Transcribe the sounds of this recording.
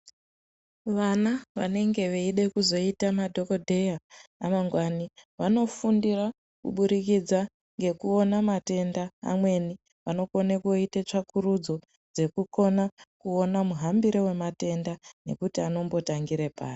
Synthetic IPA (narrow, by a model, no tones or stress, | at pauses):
ʋanaʋa̰ne̞ŋɡe̞ʋeiɗe̞kuzo̞itamadʱo̞ko̞dʱe̞jaːmaŋɡwaniʋano̞fundira | kṵɓuɾikid͡za | ŋɡe̞kuo̞namate̞nda̰ːmwe̞ni | ʋano̞konekoitet͡ʂakuɾud͡zo̞ | d͡ze̞kuko̞nakuonamuɦambiɾewe̞mate̞ndane̞kutiano̞mbo̞taŋɡiɾepa̰ːri